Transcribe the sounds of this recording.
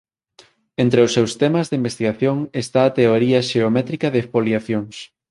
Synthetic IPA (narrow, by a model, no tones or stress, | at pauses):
ent̪ɾeʊsːewst̪ɛmɐzðeimbest̪iɣaθjoŋest̪aːt̪eoɾiɐʃeomɛt̪ɾikɐðepoljaθjoŋs